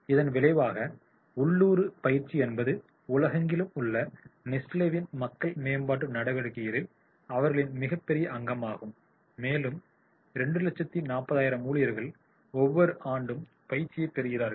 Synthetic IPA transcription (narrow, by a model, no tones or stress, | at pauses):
ɪðɐnʋɪlɐɪʋaːɣɐ | ʊɭːuːɾɯpɐjɪɾt͡ʃːiɛnbɐðɯ | ʊlɐɣɐŋɡɪlɯmʊɭːɐnɪsleːʋɪnmɐkːɐɭmeːmbaːʈ̬ːɯnɐɽɐʋɐɻɯɣɪjɐɾɪl | ɐʋɐɾɣɐɭɪnmɪɣɐpːɛɾɪjɐʔɐŋɡɐmaːɣɯmː | eːlɯm | ɾɛɳɖɯlɐt͡ʃːɐt̪ːinaːpːɐðaːjɪɾɐmuːlɪjɐɾɣɐɭ | ɔʋːɔɾɯʔaːɳɖɯm | pɐjɪɾt͡ʃɪjɐɪp̪ːɛɾɯɣɪɾaːɾɣ